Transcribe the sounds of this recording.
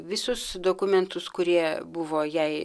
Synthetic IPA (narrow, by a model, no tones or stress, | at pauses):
ʋʲɪsʊsd̪oːkʊmʲɛnt̪ʊskʊɾʲiɛbʊʋoːjɛɪ